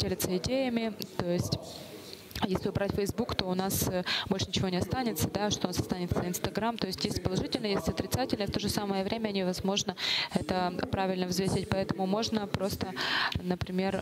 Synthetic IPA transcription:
dʲelʲɪt̪səɪdʲejɪmʲɪt̪o̞jɪsʲtʲ | jesʲlʲɪʊbɾatʲfʲəjzbukt̪o̞ʊnasbolʲʂɨnʲɪt͡ɕɪvo̞nʲɪɐst̪anʲɪt̪səd̪aʂt̪oʊnasɐst̪anʲɪt̪səɪnst̪ɐɡɾamt̪o̞jɪsʲtʲjʲesʲtʲpəlˠɐʐɨtʲɪlʲnəjesʲtʲɐt̪ɾʲɪt̪satʲɪlʲnəft̪o̞ʐɨsaməjəvɾʲʔemʲənʲɪvɐzmo̞ʐnəɛt̪əpɾavʲɪlʲnəvzvʲesʲɪt̚ʲpɐɛt̪əmʊmo̞ʐnəpɾo̞st̪ənəpɾʲɪmʲe̞r

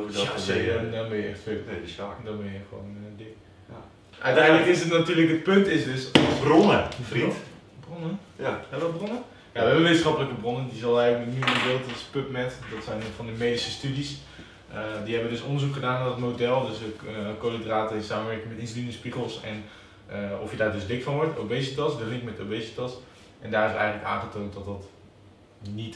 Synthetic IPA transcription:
asedɔnbɪnjəɛ̰xtfødɔnbɪnjəxəʋo̰ːndɪk | ʔœ̰ɥtɛjndləkɪsətnatyːrləkət̚pøntɪsdøsbronə | bronə | ɛɔbronə | jaʋɛbəʋeːtənsxɔpələkəbronəndisɔlˠɛjlənyɡədeːlˠtspøpmɛtdɔtsɛjnfɔndəmeːdisəstydis | ədiɦɛbədøsondərzukχədaːnadɔtmodɛlˠdøsəkolədraːtəɪnsaːməʋɛrkəŋmɛtɪnsolinəspiɣəlˠsɛ̰n | ofjədaːrdøsdɪkfɔnʋɔɹtobeːsitɔsdərɪkmɛtobeːsitɔs | ʔɛndaːrɪsɛ̰jɣəŋnləka̰ːnχətoːnt̚dɔtdɔt | nit

